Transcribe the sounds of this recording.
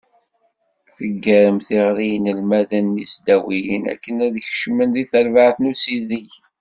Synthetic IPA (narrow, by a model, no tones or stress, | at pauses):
θəɡːəɾəmθɪʁɾijnəlmæðənːisd̪æwijənæ̰kːənæðəçʃmənðiθəɾvaʕθnusiðiç